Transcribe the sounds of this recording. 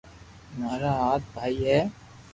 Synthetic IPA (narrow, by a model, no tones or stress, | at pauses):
maːɾaɦaːt̪̚bʱaːiɦɛː